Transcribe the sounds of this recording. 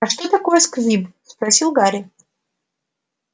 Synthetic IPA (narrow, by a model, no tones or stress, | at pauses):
ɐʂt̪ot̪ɐko̞jəskzʲibspɾɐsʲilˠɡaɾʲɪ